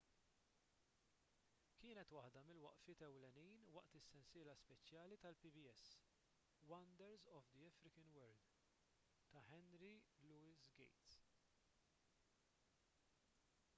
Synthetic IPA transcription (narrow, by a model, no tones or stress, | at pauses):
kɪːnɛt̪wɐħd̪ɐmɪlwɐʔfɪːt̪ɛwlɛniːnwɐʔt̪ɪsːɛnsɪːlɐspɛt͡ʃjɐːlit̪ɐlpibiɛs | wɐnd̪ɛɾzɔvd̪iɛfɾɪkɐnwɛɾld̪ | t̪ɐħɛnɾiluːɪsɡɛ̰jt̪s